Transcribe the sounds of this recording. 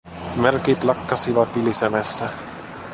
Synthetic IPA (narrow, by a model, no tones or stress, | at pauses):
merkid̪̥lɑkːɑsivɑt̪ilisemest̪e